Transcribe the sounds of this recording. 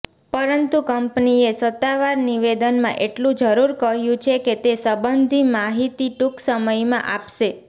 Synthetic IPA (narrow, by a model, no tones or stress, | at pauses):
pəɾənt̪ũkəmpniesət̪ːaʋaɾniʋed̪ənmã̰ʔeʈlũd͡ʒəɾuɾkəɦjũt͡ʃʰeket̪esəbənd̪ʱimaɦit̪iʈuksəməjmã̰ʔapʃe